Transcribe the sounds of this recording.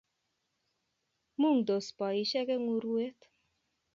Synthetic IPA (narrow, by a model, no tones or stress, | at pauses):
mund̪ospɑiʃɛɡeŋuɾuet̪